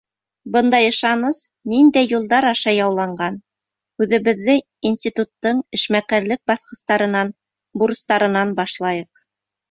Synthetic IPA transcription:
bɤnd̪ɑjɤ̆ʃɑnɤs | nind̪æjːulˠd̪ɑɾɑʃɑjɑwlˠɑɴɢɑn | ʉðɘ̆βɘ̆ðːɘ | insʲt̪ʲit̪ut̪ːɤɴɘ̆ʃmæqæɾlɘk̚bɑθqɤ̆st̪ɑɾɤ̆nɑn | buɾɤ̆st̪ɑɾɤ̆nɑnbɑʃlˠɑjɤq̚

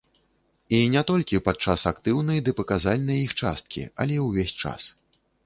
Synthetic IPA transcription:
inʲɛt̪ɔlʲkʲipat̪̚t͡ʂasakt̪ɨwnɐjd̪ɨpɐkazalʲnɐjixt͡ʂa̰st̪̚kʲḭa̰lʲɛwvʲɛsʲt͡ʂa̰s

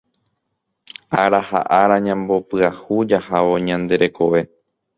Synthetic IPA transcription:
aɾaha̰ʔaɾaɲãmbo̞pɨahud͡ʒahaʋo̞ɲãnd̪e̞ɾe̞ko̞ʋe̞

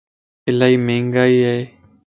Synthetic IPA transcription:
ɪlaːiːmẽːŋɡaːiːɦeeː

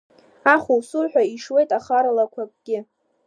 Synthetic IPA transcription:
aχuwsurħʷᶣaiʂwe̞jtʼaχaɾalakʷʰakʷʼɡʲɪ

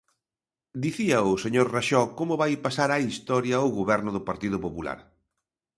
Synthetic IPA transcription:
d̪iθiɐʊseɲoɾraʃɔkomʊβajpasaɾaist̪ɔɾjɐoɣoβɛɾnʊðʊpaɾt̪iðʊpopula̰ɾ

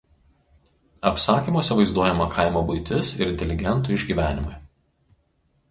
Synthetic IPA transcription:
ɐpsɑːkʲiːmoɔsʲɛʋɐɪzd̪uɔjɛmɐkʰɐˑɪmoːbʊɪt̪ʲɪsɪ̰ɾɪnʲt̪ʲɛlʲɪɡʲɛnˑt̪ʊˑɪʒʲɡʲiːˑʋʲæːnʲɪ̰mʊɪ

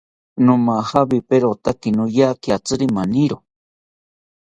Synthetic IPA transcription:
nũmahabipeɾot̪akinũjakiat͡sɨɾimaniɾo

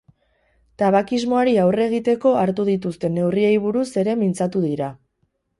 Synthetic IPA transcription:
t̪aβakizmo̞aɾiawre̞ɣ̞it̪e̞ko̞aɾt̪uð̞it̪ust̪e̞ne̞wrie̞jβ̞uɾuse̞ɾe̞mint͡sat̪uðiɾa

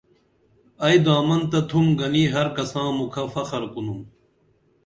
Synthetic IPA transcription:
ɐjd̪aːmɐnt̪ɐt̪ʰumɡɐniːɦɐɾkɐsãːmukʰɐfɐxɐɾkunum

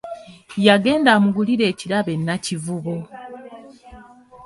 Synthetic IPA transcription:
jaɡe̞ːndaːmuɡuliɾe̞ːciɾaβe̞nːacivuβo

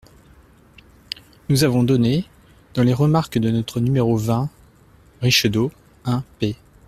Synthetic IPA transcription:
nuzavɔ̃d̪ɔne | d̪̥ɑ̃leʁəmaʁkd̪ənɔt̪χənymeʁovɛ̃ | ʁiʃd̪o | ɛ̃pe

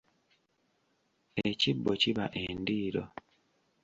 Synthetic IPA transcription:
ecibːociβa̰ʔendiːɾo̰

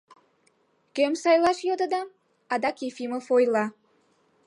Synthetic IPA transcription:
kemsɑjlɑʃjod̪əd̪ɑ | ɑd̪ɑkifimofojlɑ

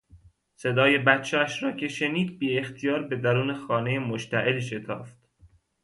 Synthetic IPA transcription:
se̞d̪ɒːje̞bæt̪t͡ʃʰeæʃɾɒːcʰe̞ʃeniːd̪̚biːe̞xt̪ʰijɒːɾbe̞d̪æɾuːnexɒːne̞jemoʃt̪æʔelʃe̞t̪ʰɒ̰ːft̪

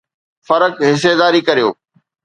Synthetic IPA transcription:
fɐɾəkɦɪs̬ed̪aːɾikɐɾijoː

